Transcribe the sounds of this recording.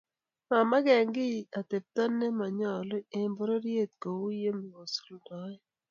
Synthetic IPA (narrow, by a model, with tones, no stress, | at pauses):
ma˨ma˦ɡɛ˨ŋɡɪ˦a˨t̪e˨p̚t̪a˦nːɛ˦ma˨ɲɔ˨lo˦e˨mbɔ˦ɾo˦ɾje˦˨t̪̚ko˨wu˦je˦m˨o˨su̥˨ldɔ˨˦ɛ˦